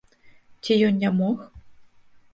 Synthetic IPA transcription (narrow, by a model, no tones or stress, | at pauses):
t͡sʲijɔnnʲamɔx